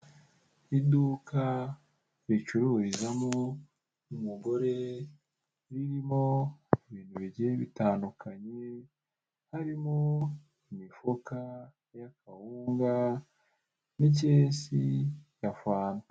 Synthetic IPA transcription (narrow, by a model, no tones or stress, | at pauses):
idukʰa | ɾit͡ʃuɾuɾizamo | umuɡo̞ɾe̞ | ɾiɾimoiβiːn̥huβiɟeβitaːndukʰaɲe | haɾimo | imifoka | jakʰahuːŋɡa | nic̬esijafaːna